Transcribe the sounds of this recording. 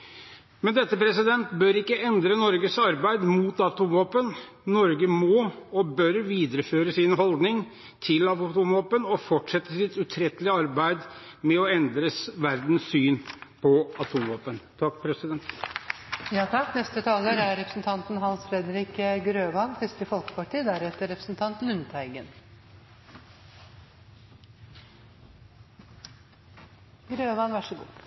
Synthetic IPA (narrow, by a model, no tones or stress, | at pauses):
mɛnd̪ɛt̪ːəpʰɾɛsɪd̪ɛnt̪bøːɾɪkːəɛnd̪ɾənɔɾɡəsɑɾbæɪd̪mut̪ɑt̪ʰuːmʋoːpən | nɔɾɡəmɔɔbœɾʋiːd̪əɾəføːɾəsɪnɦɔld̪nɪŋ | t̪ʰɪlɑt̪umʋoːpənɔfɔʈʂɛt̪ːəsɪt̪ʉt̪ʰɾɛt̪ːəlɪəɑɾbæɪd̪ | mɛɔɛnd̪ɾəsʋæɾd̪n̩sːyːnpʰɔɑt̪ʰumʋoːpənt̪ʰɑkːpʰɾɛsɪd̪ɛnt̪ | jɑːt̪ʰɑkːnɛst̪ət̪ʰɑːləɾæɾɾɛpɾəsn̩t̪ʰɑnt̪n̩ɦɑnsfɾɛd̪əɾɪkəɡɾøːʋɑnsɪst̪əfɔlkə̥pɑʈiːd̪æɾɛt̪ːəɾɛpɾəsn̩t̪ʰɑnt̪lʉnt̪ʰæɪɡən | ɡɾøːʋɑnʋæʂəɡṵː